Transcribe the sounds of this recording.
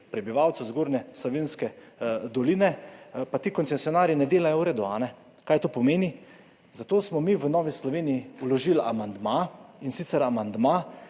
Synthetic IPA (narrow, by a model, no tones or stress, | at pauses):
pɾɛbiʋawt̪sɔzɡoːɾnɛsɔʋiːnskɛd̪ɔliːnɛpat̪iːkɔnsɛsijɔnaːɾinɛd̪eːlajɔɾɛd̪ɔa̰ːnɛ | kaːjt̪oːpɔmeːni | zat̪oːsmɔmiʋənɔːʋislɔʋeːnijiulɔʒila̰mand̪mainsit̪sɛɾamand̪ma